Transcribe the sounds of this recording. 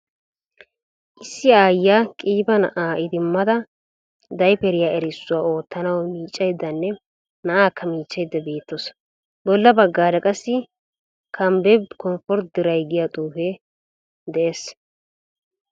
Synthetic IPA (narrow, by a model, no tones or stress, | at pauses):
ʔɪsːɪaːjːaːkʼiːbɐnɐʔaːɪd̪ɪmːɐd̪ɐ | d̪ɐjpɛɾɪjaːɛɾɪsːʊwaːo̞ːt̪ːɐnɐwmiːt͡ʃʼːɐjd̪ːɐnːɛ | nɐʔaːkːɐmiːt͡ʃːɐjd̪ːɐbe̞ːt̪ːos | bɔlːɐbɐɡːaːd̪ɐkʼɐsːɪ | kʰɐmbɛbkɔmfɔɾt̪̚d̪ɪɾɐjɡɪjat̪ʼuːfɛ | d̪ɛʔes